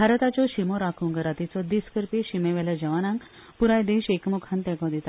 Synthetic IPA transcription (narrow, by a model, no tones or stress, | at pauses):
bʱaɾt̪at͡ɕɔɕimɔɾakʰuŋɡəɾat̪it͡sɔd̪iskəɾpiɕimeʋɛled͡ʑəʋanãŋk | puɾajd̪eɕekmukʰãnt̪ɛkɔ̃d̪it̪a